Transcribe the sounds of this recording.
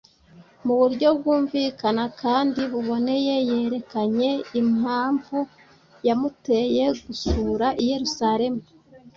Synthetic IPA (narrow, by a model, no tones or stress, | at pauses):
muβuɾɟo̞b̚ɡuːɱviːkanakaːndiβuβo̞ne̞je̞je̞ːɾe̞kaɲe̞imaːɱvu | jamute̞je̞ɡusuɾaʔije̞ɾusaɾe̞mu